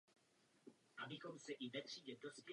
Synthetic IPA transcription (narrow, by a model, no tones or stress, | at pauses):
ʔabɪxo̞msɛʔivɛt̪r̝̥iːɟɛdo̞spjɛ